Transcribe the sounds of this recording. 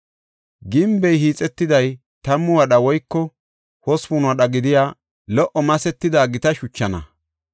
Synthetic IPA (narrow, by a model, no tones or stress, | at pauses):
ɡɪmbɛjhiːt͡sʼɛt̪ːɪd̪ɐj | t̪ɐmːʊwɐɗɐwɔjkːɔ | hɔspuːnʊɐɗɐɡɪd̪ɪjaː | lɔʔɔmɐsɛt̪ːɪd̪aːɡɪt̪ɐʃʊt͡ʃːɐnɐ̰